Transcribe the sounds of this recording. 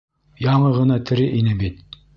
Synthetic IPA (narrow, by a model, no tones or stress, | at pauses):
jɑɴɤʁɤ̆nɑt̪ʰɘ̆ɾɘʔinɘbit̪